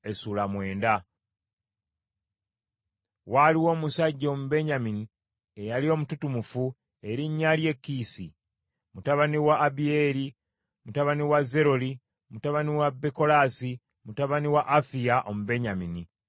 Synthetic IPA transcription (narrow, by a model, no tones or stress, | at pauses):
e̞sulamwe̞ːnda | waliwo̞ːmusaɟːo̞ːmube̞ɲamini | e̞jalio̞ːmututumufu | eɾiɲːalje̞kːisi | mutaβaniwaːbieɾi | mutaβaniwaze̞ɾo̞li | mutaβaniwabeko̞lasi | mutaβaniwaʔːfijaʔo̞mube̞ɲamini